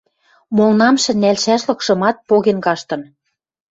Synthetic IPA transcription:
molnɑmʃĕnælʃæʃlɤ̆kʃɤ̆mɑt̪̚poɣenkɑʃt̪ɤ̆n

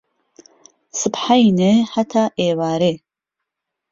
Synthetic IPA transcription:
sɨpħajneħat̪ʰaːʔeːwaːɾe

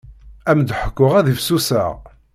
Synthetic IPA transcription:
æmd̪ħə̥kʷːʊʁæðifsusə̰ʁ

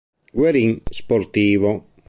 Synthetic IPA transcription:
ɡweɾiŋspoɾt̪iːvo

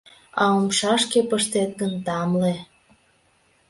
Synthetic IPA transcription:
ɑomʃɑʃkepəʃt̪et̪̚ɡənt̪ɑmle

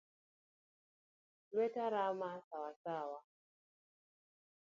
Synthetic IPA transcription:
lwɛtaɾamasawasawa

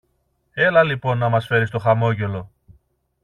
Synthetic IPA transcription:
e̞lɐlipo̞nːɐmɐsfe̞ɾist̪o̞xɐmo̞ʝe̞lo̞

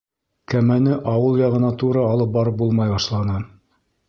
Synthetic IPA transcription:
kæmænɘʔɑwɤlˠjɑʁɤ̆nɑt̪uɾɑːlˠɤp̚bɑɾɤp̚bulˠmɑjbɑʃlˠɑnɤ

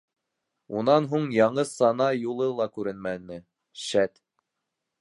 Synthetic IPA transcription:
unɑnɦuɴjɑɴɤsɑnɑjulˠɤlˠɑkʉɾɘnmænɘ | ʃæt̪

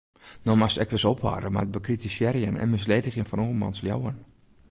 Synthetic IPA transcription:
nɔmastɛkʋɪsopʰʋa̰ːdəmad̚bəkritisjɛɾjənɛ̰nmɪs̬leːdəxjənfɔnoːəmɔ̰nslja̰wən

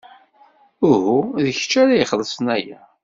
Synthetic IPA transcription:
ʊhuðəçt͡ʃːæɾajəχəðˤəsˤənæjæ

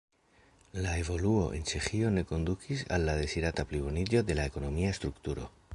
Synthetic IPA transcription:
lae̞vo̞luo̞̰ʔe̞̰nt͡ʃe̞xio̞ne̞ko̞nd̪ukʰisa̰lːaðe̞siɾatapliβo̞nid͡ʒo̞d̪e̞lae̞ko̞no̞miaest̪ɾukt̪uɾo̞̰

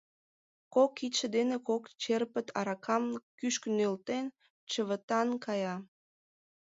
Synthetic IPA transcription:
kokit̪ʃə̆d̪enekokt͡ɕerpət̪ʰɑɾɑkʰɑmkyʃkənølt̪en | t͡ɕəβət̪ɑnkɑjɑ

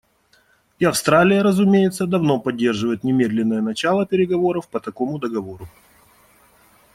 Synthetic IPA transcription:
iɐfst̪ɾalʲɪjəɾəzʊmʲejɪt̪səd̪ɐvno̞pɐdʲːe̞rʐɨvəjɪt̪nʲɪmʲed̪lʲɪnːəjənɐt͡ɕalˠəpʲɪɾʲɪɡɐvo̞ɾəfpət̪ɐko̞mʊd̪əɡɐvo̞ɾʊ

